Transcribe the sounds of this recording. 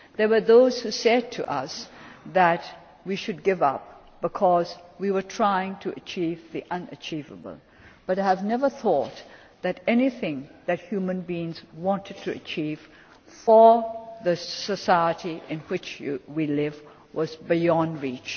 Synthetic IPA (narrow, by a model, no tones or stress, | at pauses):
ðə˞wə˞ðoʊz̥husɛd̚tʰɨʔʌsðæt | wiʃʊd̚ɡɪvʌ̰p̚ | b̥ɨkʰɔzwiwə˞tʰɹ̥aɪɪ̃ŋtʰɨʔət͡ʃʰivðiʔʌ̃nə̰t͡ʃʰivə̰bə̰l̩ˠ | b̥ʌɾaɪɨvnɛvə˞θɔt̪ | ðɨɾɛniθɪ̃ŋðɨt̚hjumə̃nbiɪ̃ŋzwɑ̃ntʰɨd̚tʰɨɨ̰t͡ʃʰiv̥ | fə˞ðɨsəsaɪəɾiʔɪ̃nwɪt͡ʃwilɪv | wʌzbɪjɑ̃ndɹit͡ʃ